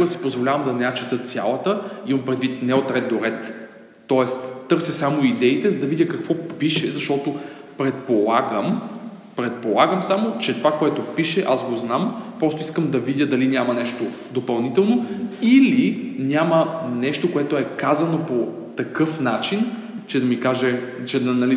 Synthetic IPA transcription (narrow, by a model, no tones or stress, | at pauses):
ɾəsi̥pozvolʲavɐmd̪ɐnɛjat͡ʃɛt̪ət̪sʲja̰lˠɐt̪əimɐmpɾɛd̪vit̪nɛot̪ɾɛd̪̚d̪oɾɛt̪ː | ɔɛst̪t̪ːɤɾsəsamoid̪ɛit̪ɛzɐd̪ɐvid̪ʲjəkɐkvɔpiʃɛzɐʃt̪ɔt̪opɾɛt̪̚polˠaɡəmpɾɛt̪̚polˠaɡəmsamot͡ʃɛt̪ovakoɛt̪opiʃɛʔazɡoznampɾɔst̪ʊiskəmd̪ɐvid̪ʲjəd̪ɐlinʲjamɐnɛʃt̪o | d̪opɐlˠnit̪ɛlˠnoilinʲjamənɛʃt̪okoɛt̪oɛkazɐnopo | t̪ɐkɤfnat͡ʃin | t͡ʃɛd̪ɐmikaʒɛt͡ʃɛd̪ɐnɐli